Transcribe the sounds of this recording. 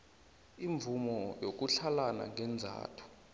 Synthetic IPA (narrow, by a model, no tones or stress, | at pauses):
iɱvumɔjok̬uɬalana̰ŋʱɛnd͡zʱa̰ːtʰu̥